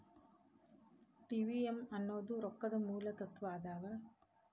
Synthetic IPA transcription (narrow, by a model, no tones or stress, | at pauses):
ʈiːʋiemɐnːoːd̪uɾɔkːɐd̪ɐmuːlɐt̪ɐt̪ʋaːd̪aːɡɐ